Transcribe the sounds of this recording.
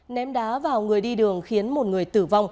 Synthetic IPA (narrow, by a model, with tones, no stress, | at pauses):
nɛ˨˦mɗaː˨˦vaː˨˩wŋɨ˨˩əjɗi˧ɗɨ˨˩əŋxi˨˦ənmo˨˩t̚ŋɨ˨˩əjt̪ɨ˧˩va˧wŋ͡m